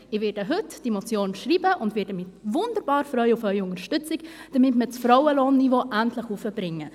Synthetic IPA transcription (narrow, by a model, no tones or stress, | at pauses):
ɪʋɪːdəɦʏtd̥imot͡sjoːnʃriːbəʔʊndvɪːdəmɪtvʊndəɾb̥ɑːɾfɾœʏufœʏʊŋəɾʃtʏt͡sɪkd̥ɐmɪtmət͡sfɾɔʊəloːnːivoːʔæntləχufəbɾɪŋːə